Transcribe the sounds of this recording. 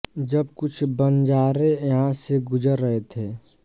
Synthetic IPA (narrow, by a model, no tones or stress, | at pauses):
d͡ʒɐbkʊt͡ʃʰbənd͡ʒaːɾejɐɦãseɡʊd͡ʒəɾːəɦet̪ʰeː